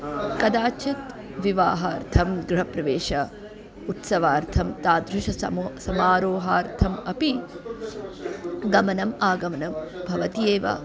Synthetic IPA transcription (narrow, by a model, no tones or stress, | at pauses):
kɐd̪aːt͡ʃʰɐt̪ | ʋiʋaːɦaːɾt̪ʰɐmɡɾɪɦɐpɾɐʋeːʃɐ | ut̪sɐʋaːɾt̪ʰɐmt̪aːd̪ɾuʃɐɐmsɐmaːɾoːɦaːɾt̪ʰɐmɐpi | ɡɐmɐnɐmaːɡɐmɐnɐmbʱɐʋɐt̪ijeːʋɐ̰